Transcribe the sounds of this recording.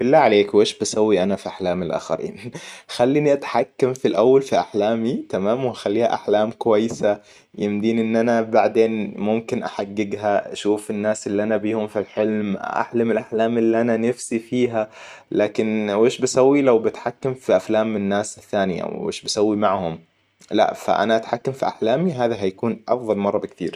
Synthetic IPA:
bɪlːaːʕaleːkweːʃbasawːiʔanafiʔaħlaːmɪlʔa̰ːxa̰ɾḭːnxalːiːniʔat̪ħakːamfilʔawːalfiʔaħlaːmit̪amaːmwaxalːiːha̰ʔaħlaːmkʊwajːɪsa | jɪmd̪iːnʔɪnːʔanabaʕd̪eːnmʊmkɪnʔaħaɡːɪɡɦaʔaʃuːfɪnːaːsʔɪlːiʔanabiːhʊmfilħɪlmʔa̰ħlamɪlʔaħlaːmʔɪlːiʔananafsifiːɦalaːkɪnweːʃbasawːilawbat̪ħakːamfiʔaflaːmːɪnːaːsɪθːaːnɪja̰wḛːʃbasawːimaʕhʊm | la̰ʔfa̰ʔa̰naʔat̪ħakːamfiʔaħlaːmiɦaːðaɦajakuːnʔɑ̰fðˤɑlmɑrˤːɑbɪk̚t̪ḭːɾ

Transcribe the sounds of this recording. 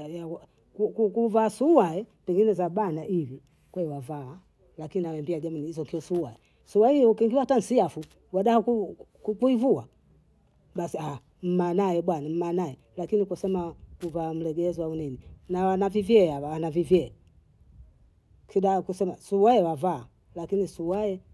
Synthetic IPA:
jaa | kukukuvaːsuwaɛpɛŋɡinɛzaɓanaʔivi | kwɛɛwavaː | lakininawɛmbiaʄamuniizɔŋkiɔsuwa̰ɛ | suwaijɔkiŋɡiwatan̩siafu | waɗahakukkuivua | ɓasia | m̩manajɛɓwanam̩maːnajɛ | lakinikusɛmakuvam̩lɛɡɛzwaunininawanavivjɛawawanavivjɛ | kʰiɗakusɛmasuwajɛwavaː | lakinisuwajɛ

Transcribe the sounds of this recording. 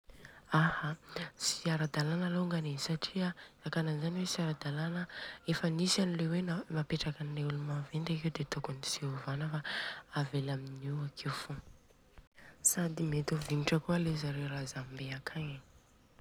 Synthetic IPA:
ahasiaɾad̪alanaloŋɡanesaʈ͡ʂiaakananzaniwesiaɾad̪alanəefənisanilewenamapeʈ͡ʂakanileulumavend̪akewd̪et̪okunisiovanəfaavelaminuakʰewfu | sad̪imet̪oviniʈ͡ʂəkualezaɾewɾazambeakʰaɲḁ

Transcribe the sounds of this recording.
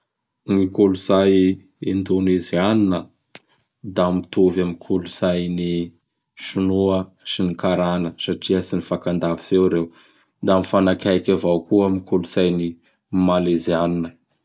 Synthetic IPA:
nikuluzaj | end̪unizianinə | d̪amit̪uvamikʰuluzajni | ʃunuə | sinikaɾanəsaʈ͡ʂiəsinifakand̪aviz̥ewɾew | d̪amifanakajkavawkuamikʰuluzajni | malezianinə

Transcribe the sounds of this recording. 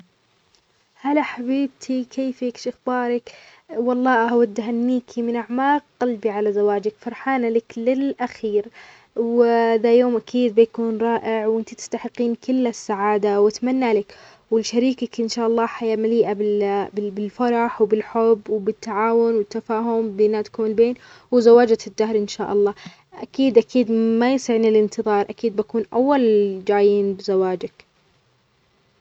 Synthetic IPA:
halaħabiːb̚t̪ʰikʰeːfikʃʔɪxbɑːɾˤɪk | wɑlˤːɑːʔaʔawad̪ːɦanːiːkʰimɪnʔaʕmaːq̚qalbiʕalazawaːd͡ʒɪkfɑɾˤħaːnalaklɪlʔaxiːɾ | wðajoːmʔakʰiːd̪̚bɪjkuːnɾˤɑːʔɪʕwʔɪnt̪it̪ɪ̥st̪aħɪqːiːnkɪlːasːaʕaːd̪awat̪manːalak | wɪlʃaɾiːkakʔɪnʃaːʔɑlˤːɑːħajamaliːʔabɪbɪbɪlfɑɾˤɑħwbɪlħʊbːwbɪt̪ːaʕaːwʊnwɪt̪ːafaːɦʊmbɪnaːt̪kʊmɪlbeːn | wɪzawaːd͡ʒad̪ːahɾʔɪnʃaːʔɑlˤːɑː | ʔakiːd̪ʔakʰiːd̪majɪsɪʕnilɪnt̪ɨðˤɑːɾˤʔakiːd̪̚bakuːnʔa̰wːald͡ʒaːjiːnbɪzawaːd͡ʒak

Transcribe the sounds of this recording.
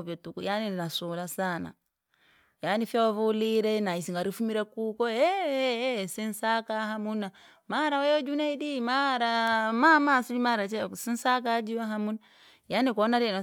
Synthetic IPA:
vjɔtukujanininasulasana̰ | janifjaɔvuliɾɛnaisiŋɡaɾifumiɾɛkukɔɛ | sin̩sakaɦamuna | maɾawɛjɔd͡ʒunaidimaɾamamasilimaɾat͡ʃɛsin̩sak̬ad͡ʒiwaɦamuna | janikɔnaɾɛnɔ

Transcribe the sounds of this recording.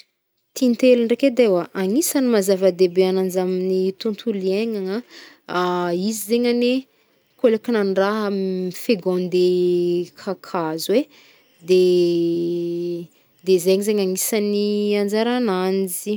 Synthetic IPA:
t̪ʰint̪eluɳreked̪ewaʔaŋisanimazavəd̪ebeananzaminit̪unt̪ʰulieɲaŋa | aizizeɲane | kolekinanɖ͡ʐaɦamifeɡõnd̪ekʰakʰazwe | d̪e | d̪ezeɲzeɲaŋisaniand͡zaɾanand͡zi

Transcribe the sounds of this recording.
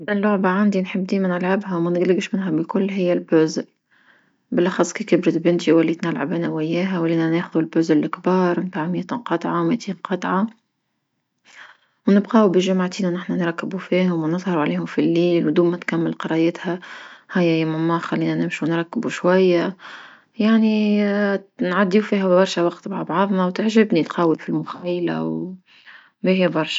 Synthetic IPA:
ʔɪlːʊʕbaʕand̪inħɪbːd̪iːmænɪlʕabɦæwmænɪɡlɪɡʃmɪnɦæbɪkʊlːɦɪjːælbʊzl | bɪlʔɑxɑsˤːkiːkɪbɾɪt̪bɪnt̪iwælːiːt̪nalʕabænæwɪjːɛːɦæwɪlːiːnæneːxʊðulbʊːzɪlːɪkbɑːɾˤmt̪aːʕmjæt̪iqɑt̪ˤʕɑwmɪʔt̪ʰiːnqɑt̪ˤʕɑ | wnɪbqɑːbɪʒʊmʕat̪iːnænɪħnænɾˤɑkːɪbufiːɦʊmwnɨðˤhɑɾuʕliːhʊmfilːiːlwd̪uːmːæt̪kamːɪlqɑɾˤɑjɛːt̪hæhæjːajamamːɑxalːiːnænɪmʃuwnɾˤɑkːɪbuʃwajːa | jaʕni | nʕad̪ːiːufiːɦæbɑɾˤʃawɑqt̪baʕabʕɑðˤnawt̪ɪʕʒɪbnit̪qɑːwɪlfilmʊxajla̰w | bihjbɑɾˤʃḁ

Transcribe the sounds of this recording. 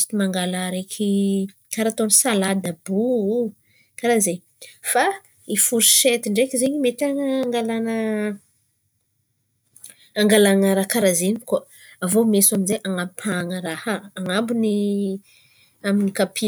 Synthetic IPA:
t̪imaŋɡalaɾekʲʰi | kaɾat̪onsalad̪abu | kaɾaze | fa | ifuɾiʃet̪iɳɖ͡ʐekizeɲimet̪aŋːŋɡalanə | aŋɡalanaɾakaɾazenika | avomesaminzeʔaŋapaŋəɾahaːŋambuni | aminikapʰi

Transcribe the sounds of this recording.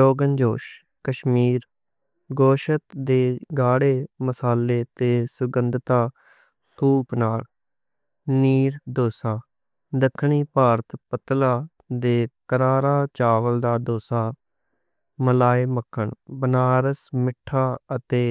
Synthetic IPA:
ɾoːɡənd͡ʒoːʃ | kəʃmiːɾ | ɡoːʃət̪d̪eːɡaːɽeːməsaːleːt̪eːsʊɡənd̪t̪aː | suːpnaːl | niːɾd̪oːsaː | d̪əkʰːɳiːpaːɾət̪pət̪laː | d̪eːkəɾaːɾaːt͡ʃaːʋəld̪aːd̪oːsaː | məlaːeːməkʰːəɳbənaːɾəsmɪʈʰːaːət̪eː

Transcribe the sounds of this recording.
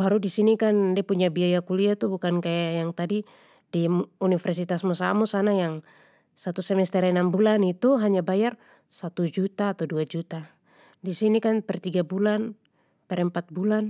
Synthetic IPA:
baɾudisinikandiapuɲabiajakuliat̪ubukankajajaŋt̪adi | diunifɛrsit̪asmɔsamɔsanajaŋ | sat̪usɛmɛst̪ɛɾɛnambulanit̪uɦaɲabajar | sat̪ud͡ʒut̪aːt̪awduad͡ʒut̪a | disinikanpɛrt̪iɡabulan | pɛɾɛmpat̪̚bulan

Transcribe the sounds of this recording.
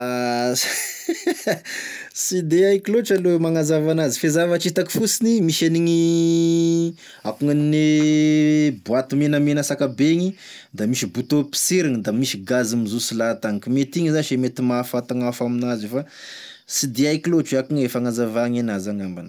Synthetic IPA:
a | sid̪eajkiloʈ͡ʂalomaŋazavanazifezavat͡ʃit̪aki̥fusinimiʃeniŋi | akuŋanine | buat̪imenəmenəsakabeŋi | d̪amiʃibut̪opi̥seɾiŋid̪amiʃiɡazimizusilat̪aŋkimet̪iŋizaʃemet̪imafat̪aŋafaminazefa | sid̪eajkiloʈ͡ʂakuŋefaŋazavaŋenazaŋamban

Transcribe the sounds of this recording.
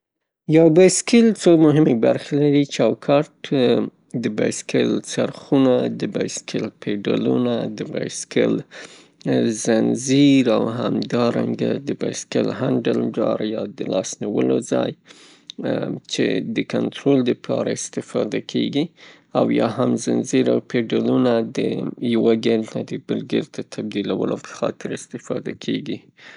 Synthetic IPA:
jawbɑjskelt͡somʊɦɪmebaɾxelaɾit͡ʃɑwkʰɑʈ | d̪əbɑjskʰəlsaɾxunad̪əbɑjskʰɪlpʰeɖalunad̪əbɑjskɪl | zanziɾawhamd̪ɑɾa̰ŋɡad̪əbajskelhaɳɖəldɑɾjɑd̪əlɑsniwəlozɑj | t͡ʃḛd̪əkant̪ɾold̪əpʰɑɾaɪst̪ɪfɑd̪akʰeɡi | awjɑhamzanziɾawpʰeɖalunad̪əjawaɡeɾt̪ad̪əbəlɡeɾt̪at̪ʰab̚d̪ilawə̰lopə̥xɑt̪ɪɾɪst̪ɪfɑd̪akʰeɡi

